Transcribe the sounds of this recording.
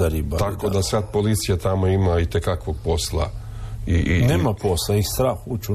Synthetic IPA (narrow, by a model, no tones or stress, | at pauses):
aɾibat̪akod̪asat̪̚polit̪sijat̪amoimait̪ekakʋoɡ̚po̞slˠa̰ | inemaposlaixst̪ɾaːxut͡ʃu